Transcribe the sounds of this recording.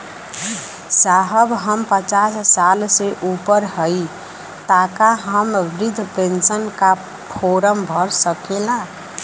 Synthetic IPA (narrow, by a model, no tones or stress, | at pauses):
saɦəbɦəmpət͡ʃasːalseʔupəɾhəj | t̪akaɦəmʋɾid̪ʱpensənka | pʰoɾəmbʱəɾsəkela